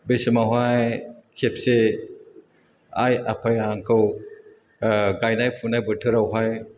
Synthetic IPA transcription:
besɯmawɦajkʰep̚se | a̰ja̰pʰajaŋkʰɯw | ɡajnajpʰunajbɯtʰɯɾawɦaj

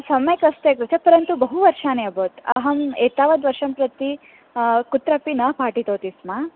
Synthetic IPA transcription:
sɐmɐjɐkɐst̪eːkɾɐt̪ʰepɐɾɐnt̪ubɐɦuʋɐɾʂaːneɐboːt̪ɐ̰ɦɐmeːt̪aːʋɐd̪ʋɐɾʂɐmpɾɐt̪i | kut̪ɾɐpinɐpʰaːʈit̪oːt̪ismaː

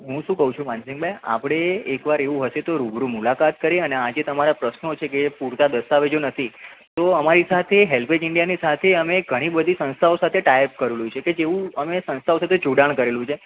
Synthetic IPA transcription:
ɦũʃũkəɦũt͡ʃʰũmãnsɪŋɡbʱaja̰pɽ̃eːkʋaɾeʋũɦəʃet̪oɾubɾumulakat̪̚kəɾeənead͡ʒet̪əmaɾapɾəsnot͡ʃʰekepuɾt̪ad̪əst̪aʋed͡ʒonət̪ʰi | t̪oəmaɾisat̪ʰeɦelpʰed͡ʒɪɳɖijanisat̪ʰeəmeɡʱəɽ̃ibəd̪ʱisə̃nst̪ʰaosat̪ʰeʈajp̚kəɾelũt͡ʃʰeked͡ʒeʋũəmesə̃nst̪ʰaosat̪ʰet͡ʃuɽaɳ̃kəɾelũt͡ʃʰe

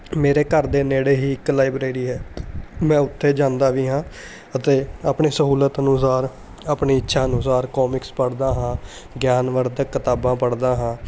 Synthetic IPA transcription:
meːɾeːkəɾd̪eːneːɽeːɦiːɪklaːɪbɾeːɾiːɦɛːmɛ̃ːʊt̪ʰːeːd͡ʒãːnd̪aːʋiːɦãː | ət̪eːaːpɳeːsəɦuːlət̪ənʊsaːɾ | aːpɳiːɪtːʃʰaːənʊsaːɾkɔːmɪkspəɽd̪aːɦãː | ɡjaːnʋəɾd̪əkːət̪aːbãːpəɽd̪aːɦãː

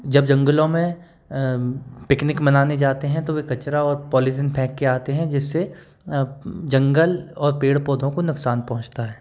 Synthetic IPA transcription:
d͡ʒɐbd͡ʒɐ̃ŋɡəlõmẽ | pɪknɪkmɐnaːned͡ʒaːt̪eɦɛ̃t̪oʋekɐt͡ʃɾaɔːɾpɔːlisənpʰɛ̃ːkːeaːt̪eɦɛ̃d͡ʒɪsːe | d͡ʒɐ̃ŋɡəlɔːɾpeːɽpɔːd̪ʱõkonʊksaːnpɐɦʊ̃t͡ʃt̪aɦɛː

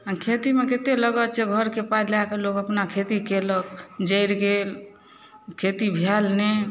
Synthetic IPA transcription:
ãkʰet̪imeket̪eləɡət̪t͡ʃeɡʱəɾkepaɾlakelokəpnakʰet̪ikeləkd͡ʒəɪɾɡel | kʰet̪ibʱɛlne

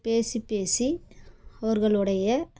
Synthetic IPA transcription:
peːsipːeːsi | ɐʋɐɾɣɐɭɯɽɐjɐ

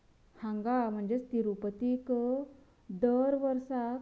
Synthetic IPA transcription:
hãŋɡam̤əɳd͡zest̪iɾupət̪ik | d̪əɾʋəɾsa

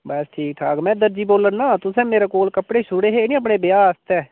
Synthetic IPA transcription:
bəsʈʰiːk̚ʈ̪ʰaːkmɛ̃ːd̪əɾd͡ʒiːboːlənːaːt̪ʊsɛ̃ːmeːɾaːkoːlkəpɽeːʃʊɽeːɦeːnĩːəp̬ɳeːbɪjaːst̪ɛː

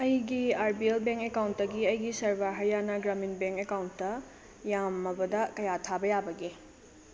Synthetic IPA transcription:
ɐjɡiaɾbielbeŋkekawntdɐɡiɐjɡisɐɾbaɦɐɾjanɐɡɾaminbeŋkekawntːɐ | jamɐbɐdɐkɐjatʰabɐjabɐɡe

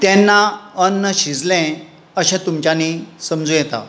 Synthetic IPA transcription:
t̪ɛ̃nːaənːəɕid͡zlɛ̃ | əɕɛ̃t̪umt͡ɕjanisəmd͡zujɛt̪a̰

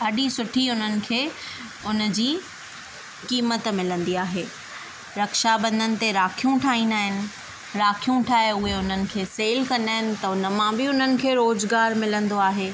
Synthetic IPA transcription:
ɐɗisʊʈʰiʊn̤ənɪ̆kʰeː | ʊnəd͡ʑiː | kiːmət̪mɪlə̃nd̪iaːɦeː | ɾɐkʃabɐ̃nd̪ənɪ̆t̪eɾaːkʰijũʈʰaːɦĩːnd̪aːɦɪnɪ̆ | ɾaːkʰijũʈʰaːeʊɦeʊn̤ənɪ̆kʰeːseːlkɐ̃nd̪aːɦɪnɪ̆t̪ɐʊnəmãbɪʊn̤ənɪ̆kʰeːɾoːzɡaːɾmɪlə̃nd̪oaːɦeː

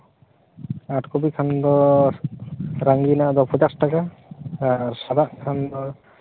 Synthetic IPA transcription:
atkɔbikʰand̪ɔ | ɾaŋɡinaʔd̪ɔpʰɔd͡ʒakstaka | aɹsadaʔkʰand̪ɔ

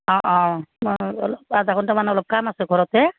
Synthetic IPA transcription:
ɔ̃ʔɔ̃ | ɔlɔbazakʰɔntamanɛɔlɔp̚kamasɛɡʱɔɹɔt̪ɛ

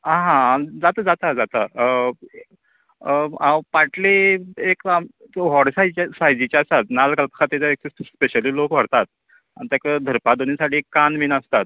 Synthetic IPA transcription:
ãɦãd͡zat̪ad͡zat̪ad͡zat̪a | apaʈleekaɦɔɽsajt͡ɕasajd͡ʑit͡ɕasat̪nalkəlpkʰat̪et͡saek̚t͡sespeɕəliːlokʋ̤əɽt̪at̪̚ | anit̪akad̪ʱəɾpad̪onisaʈiːekːanminəst̪at̪̚

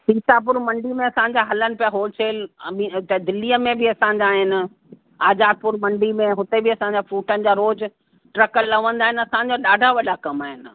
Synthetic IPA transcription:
piːsap̬ʊɾmɐ̃ɳɖimẽɐsãːɲd͡ʑaɦɐlənɪ̆pijaɦoːlt͡ɕʰeːlit̪ɐd̪ɪliəmẽbɪɐsãɲ̆d͡ʑaːɦɪnɪ̆ | aːzaːd̪̚pʊɾmɐ̃ɳɖimẽɦʊt̪ebɪɐsãɲd͡ʑafuːʈənɪ̆d͡ʑaːɾoːd͡z | ʈɾɐkəlːɐʋə̃nd̪aːɦɪnɐsãːɲ̆d͡ʑaɗaːɖʱaʋɐɗakɐmaːɦɪnɪ̆

